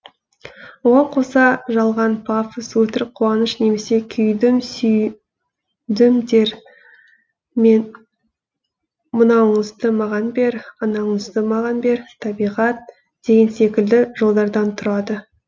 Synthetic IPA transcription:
woʁɑɴqʰo̞sɑʒɑlˠʁɑnpʰafəswɵt̪ɪɾqʰuɑnəʃne̞me̞se̞kʲʰʏjd̪ɪmsʏj | d̪ɪmd̪e̞ɾ | men | mʊnɑwɴəzt̪əmɑʁɑnbe̞ɾɑnɑɴəzt̪əmɑʁɑnbe̞ɾt̪ʰɑbijʁɑt̪̚ | d̪̥e̞ɡʲɪnse̞kʲɪld̪ɪʒo̞lˠd̪ɑɾd̪ɑnt̪ʰʊɾɑd̪ə

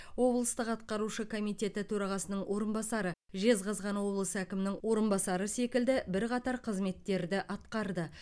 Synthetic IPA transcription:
wo̞blˠəst̪əqɑt̪̚qɑɾuʃəkʰo̞mijt̪ʲe̞t̪ɪt̪ʰɵɾɑʁɑsənəɴwʔo̞ɾənbɑsɑɾə | ʒe̞zqɑzʁɑnwo̞blˠəsəækʲɪmɪnɪŋwo̞ɾənbɑsɑɾəse̞kʲɪld̪ɪbɪɾqɑt̪ɑɾqʰəzme̞t̪ːe̞ɾd̪ɪʔɑt̪qɑɾd̪ə

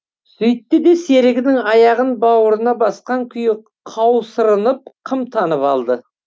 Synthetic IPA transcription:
sɵjt̪ːɪd̪e̞se̞ɾɪɡʲɪnɪŋɑjɑʁənbɑwəɾənɑbɑsqɑŋkʲʰʏjɪ | qʰɑwsəɾənəp̚qʰəmt̪ʰɑnəpɑlˠd̪ə

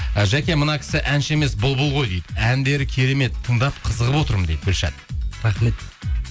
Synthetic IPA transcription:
əʒækʲe̞mənɑkʲʰɪ̥sɪʔænʃɪe̞me̞sbʊlˠbʊlˠʁo̞jd̪ejd̪ænd̪e̞ɾɪkʲʰe̞ɾe̞me̞t̪ʰːəɴd̪ɑp̚qʰəzəʁəpwo̞t̪əɾməmd̪ejd̪bɵlʃæ̰t̪̚ɾɑχme̞t̪

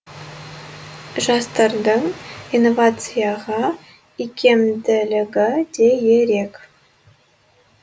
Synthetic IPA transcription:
ʒɑst̪ɑrd̪əŋinːovat̪t͡sɨjɑʁɑ | ikʰʲːemd̪ɘ̆lʲɘɡədʲejeɾʲek

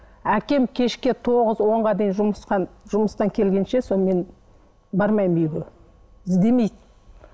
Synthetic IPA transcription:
ækʲe̞mkʲʰe̞ʃkʲe̞t̪ʰo̞ʁəzwo̞ɴʁɑd̪e̞jinʒʊməsqɑʒ̥ʊməst̪ɑŋkʲʰe̞lɡʲe̞nʃe̞so̞nme̞n | bɑɾmɑjmejɡo | ɪzd̪e̞mejd̪ɪ

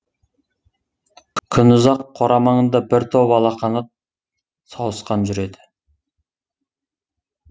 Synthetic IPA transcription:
kʲʰʏnʊzɑqʰːoɾʔɑmɑɴənd̪ɑbɪɾt̪ʰowpɑlˠɑqɑnɑ | sɑwəsqɑnʒʏɾe̞d̪ɪ̥

